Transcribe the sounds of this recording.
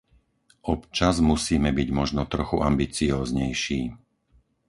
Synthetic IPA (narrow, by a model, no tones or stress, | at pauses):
ɔpt͡ʃazmusiːmɛbiɟmɔʒnɔt̪ɾɔxuʔambit͡siɔːzɲɛjʃiː